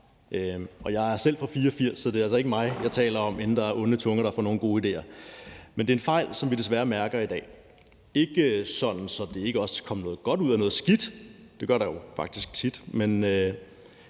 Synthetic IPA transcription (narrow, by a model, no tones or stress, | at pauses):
ʔøʔɒjɑ̈ɪæɐsel̰fɒ̽fiːɐɒfiɐ̰sːɒ̽d̥e̝æls̬ɒe̝ɡəmɑ̈ɪjɑ̈ɪt͡sʰɛ̰ːlɐɒ̽me̝nn̩d̥ɑ̈æɐʔɔ̽nət͡sʰɔ̽ŋɐɾ̥ɑfɒ̰no̝ːn̩ɡ̥o̝ːid̥e̝̰ːɐmend̥e̝enfɑ̈ɪ̰lsɒ̽mʋid̥e̝s̬ʋæːɐmæɐɡ̥ɐid̥ɛ̰ː | e̝ɡ̥əsɒ̽d̥n̩sɒ̽d̥e̝e̝ɡ̥əɒ̽skʰɒ̽mənɔ̽ːð̩ˠɡ̥ɒ̽duð̞̰ˠænɔ̽ːð̞̩ˠsɡ̥id̥d̥e̝ɡ̥ɶɐ̰ɾɑjo̝fɑ̈ɡ̥d̥isɡ̥̚t͡sʰid̥menø